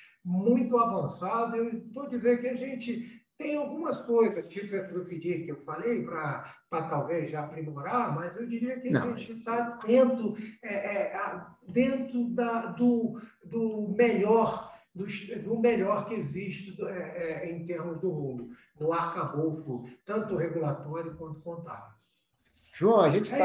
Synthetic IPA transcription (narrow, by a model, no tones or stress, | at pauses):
mũj̃t̪ʊavɐ̃sad̪ʊewt̪od͡ʒizeɾkɪaʒẽnt͡ʃɪt̪ẽj̃awɡũmɐskojzɐskiepɾepid͡ʒiɾkɪewfalejpɾɐpɾɐt̪awvezʒapɾimoɾaɾmɐzewd͡ʒiɾiɐkɪã̰ʒẽt͡ʃɪt̪ad̪ẽnt̪ɾʊɛʔɛad̪ẽnt̪ɾʊd̪ɐd̪ʊ | d̪ʊmeʎɔɾ | d̪ʊʃd̪ʊmeʎɔɾkɪeziʃt͡ʃɪɛɛẽj̃t̪eɾmʊzd̪ʊhũlʊ | nʊaɾkɐbokʊt̪ɐ̃nt̪ʊheɡulat̪ɔɾjʊkwɐ̃nt̪ʊ̥kõnt̪a̰t̪ʊ | ʒuõɐʒẽnt͡ʃɪ